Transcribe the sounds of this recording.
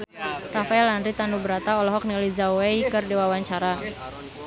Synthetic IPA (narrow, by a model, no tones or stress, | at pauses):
rafaɛlanɾit̪anubəɾat̪aɔlɔɦɔk̚nilizawwejkɨrdiwawaɲt͡ʃaɾa